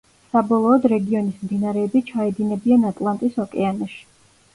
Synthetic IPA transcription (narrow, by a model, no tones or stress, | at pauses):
sabɔlˠɔːd̪ɾɛɡiɔnismd̪inaɾɛːbit͡ʃʰaɛd̪inɛbianat̪ʼlˠant̪ʼisɔkʼɛanɔʃi̥